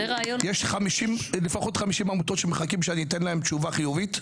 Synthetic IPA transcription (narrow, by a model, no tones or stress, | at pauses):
eʁajojeʃχamiʃimlefaχo̞t̪χamiʃimamut̪o̞tʃemeχakimʃeanit̪enlaemt͡ʃuvaχijuvit